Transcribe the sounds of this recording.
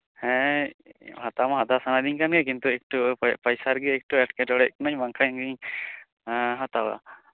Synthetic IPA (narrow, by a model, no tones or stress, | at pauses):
hɛ̃ | hat̪amaɦad̪asanad̪iɲkanɡɛkint̪uɛk̚ʈupajsaɾɡɛɛk̚ʈuɛʈkɛʈɔɽɛʔknaɲbaŋkʰaŋɡiɲ | ɦat̪awa̰